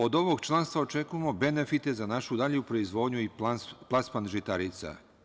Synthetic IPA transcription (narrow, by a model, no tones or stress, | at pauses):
o̞d̪o̞ʋo̞ɡt͡ʃlˠanst̪ʋaot͡ʃe̞kuje̞mo̞be̞ne̞fit̪e̞zanaʃud̪aʎjupɾo̞izʋo̞ːd̪ɲuiplˠaspanʒit̪aɾit̪sa̰